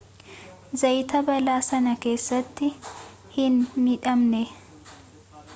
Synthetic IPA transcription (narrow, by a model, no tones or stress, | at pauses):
zɐjt̪ɐbɐlaːsɐnɐke̞ːsːɐt̪ːɪ | hɪnːɪᶑɐmnɛ